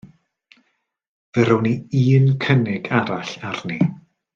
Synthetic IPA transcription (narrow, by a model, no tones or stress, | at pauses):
vəɾowniiːnkʰənɪɡaɾaɬarni